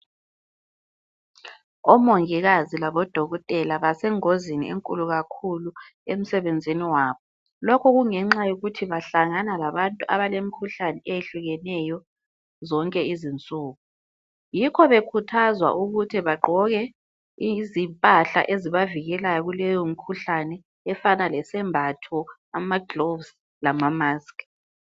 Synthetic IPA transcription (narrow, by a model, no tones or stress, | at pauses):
ɔmoŋiɣazilaβɔd̥ʱɔɣɔtʼɛlaβasɛŋozinḭḛŋkʼuluɣakʰulu | em̩sɛβend͡zʱiniwaːβɔ | lɔkʰɔɣuŋɛŋ͡ǁajuɣutʰiβaɬaŋanalaβantʼuʔa̰βalemikʰuɬanɛejeɬuɣɛnɛjɔ | zɔŋkʼɛizint͡sʼuːɣu | jikʰɔβekʰutʰazwa̰ʔuɣutʰiβaǃɔɣɛ | zimpʼaɬa̰ʔeziβaviɣɛlajɔɣulɛjɔm̩kʰuɬanɛː | fanalɛsɛmbʱatʰɔ | amaɡlovs | lamamaskʼ